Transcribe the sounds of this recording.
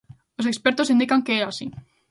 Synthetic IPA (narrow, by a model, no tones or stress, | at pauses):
osekspeɾt̪osĩnd̪ikaŋkeeasi